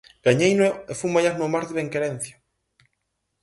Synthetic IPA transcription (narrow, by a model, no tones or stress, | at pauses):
ɡ̥aɲejneefumajaznomaɾðeβeŋkeɾen̟θja